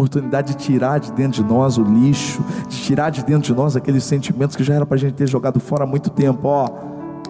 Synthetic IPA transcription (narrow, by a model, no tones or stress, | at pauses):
oɾt̪unid̪ad͡ʒɪd͡ʒɪt͡ʃiɾaɾd͡ʒɪd̪ẽt̪ɾʊd͡ʒɪnɔzʊliʃʊd͡ʒɪt͡ʃiɾaɾd͡ʒɪd̪ẽt̪ɾʊd͡ʒɪnɔzakelɪsẽnt͡ʃimẽnʊskɪʒaɛɾɐ̃pɾɐʒẽnt͡ʃɪt̪eɾʒoɡad̪ʊfɔɾɐmũj̃t̪ʊ̥t̪ẽmpʊɔ